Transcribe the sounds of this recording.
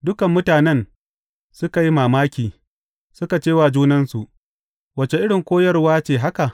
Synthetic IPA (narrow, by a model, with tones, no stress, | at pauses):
dʊ˦kɐ˨mːʊ˦taː˨nɛ˦n | sʊ˦ka˨ji˦maː˨maː˦kʲiː˨ | sʊ˦ka˨t͡ʃeː˦waː˨d͡ʒuː˦nɐ˦nsu˨ʔ | wɐ˨t͡ʃe˨ʔɪ˦ɽɪ˨ŋkʷoː˦jɐ˦rwaː˦t͡ʃeː˨ɦa˦ka˨ʔ